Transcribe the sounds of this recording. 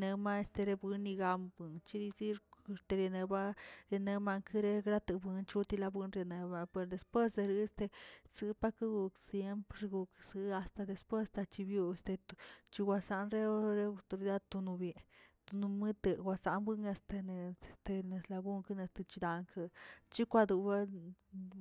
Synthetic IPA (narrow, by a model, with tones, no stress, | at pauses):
ne˧ma˦e˧st̪e˧ɾe˧bwɨ˧nːi˧ɡa˧mbwɨ˧ŋt͡ʃi˦d̪i˧zi˦e˧st̪e˧ɾe˧ne˧ba˦ɾe˧ne˧ma˧ŋkʰɨ˦ɾe˦ɡɾa˦t̪ɨ˧bɨ˧nt͡ʃu˦t̪i˧la˧bwɨ˧nɾe˧ne˧ba˧pe˧ɾd̪e˧spwe˦sd̪e˧ɾɨ˧˦st̪e˧sɨ˧˦pa˦ka˦ɡu˧ksje˧mpɾɾe˧ɡu˧ksɨ˧˦a˧st̪a˧d̪e˧spwe˦st̪a˧t͡ʃi˧bju˧e˧st̪e˧t̪t͡ʃi˧ɡʷwʷa˧sa˧nɾe˦ɾe˦a˧t̪o˧ɾi˧d̪a˦d̪̚t̪u˧nu˧bje˧t̪u˧nu˧mɨ˦t̪e˧ɡʷwa˧sa˧nbwɨ˦ŋe˧st̪e˧n˧˨t̪e˧ne˧sla˧ɡu˦ŋka˦ne˧st̪ɨ˧t͡ʃi˧d̪a˧ŋkʰa˧t͡ʃi˦kʷa˧d̪u˧ba˦